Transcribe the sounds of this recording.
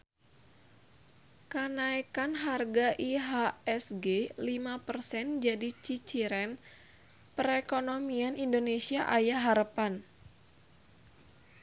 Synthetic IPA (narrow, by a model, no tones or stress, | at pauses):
kənaikanɦarɡaʔiɦaɛsɡelimapərsɛnd͡ʒadit͡ʃit͡ʃiɾɛn | pəɾɛkonomianindonesiaʔajaɦaɾəpan